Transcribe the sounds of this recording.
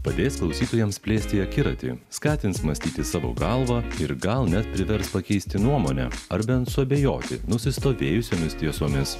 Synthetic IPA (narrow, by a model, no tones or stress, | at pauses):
pɐd̪ʲeːsklˠɐʊsʲiːt̪oːjɛmspʲlʲeːsʲt̪ʲɪɐkʲɪɾɐt̪ʲɪ̰ːskɑːt̪ʲɪntsmɐsʲt̪ʲiːt̪ʲɪsɑːʋo̰ːɡɑlˠʋɑːɪɾɡɐlˠnʲɛt̪̚pʲɾʲɪʋʲɛɾspɐkʲɛɪsʲt̪ʲɪnuɔmoːnʲɛ̰ɐɾbʲɛnt̪sʊɐbʲejoːt̪ʲɪ̰nʊsʲɪst̪oːʋʲeːjʊsʲoːmʲɪst̪ʲiɛsoːmʲɪs